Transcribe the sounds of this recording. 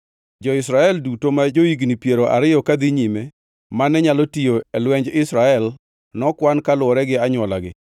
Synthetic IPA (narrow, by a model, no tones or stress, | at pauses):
d͡ʒɔɪsɾaɛldutomad͡ʒoiɡnipjeɾoʔa̰ɾɪjɔkad̪iɲime | manɛɲalotijoɛlwɛɲd͡ʒɪsɾaɛl | nɔkwankalʊɔɾɛɡɪaɲwɔlaɡɪ̰